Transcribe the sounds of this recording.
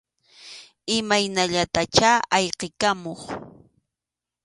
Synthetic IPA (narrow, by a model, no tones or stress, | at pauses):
ɪmajnaʎat̪at͡ʃaajqekamoχ